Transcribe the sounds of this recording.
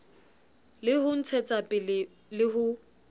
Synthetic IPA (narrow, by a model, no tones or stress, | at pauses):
lɪhʊn̩t͡sʰɛt͡sʼapʼɪ | lɪɦʊ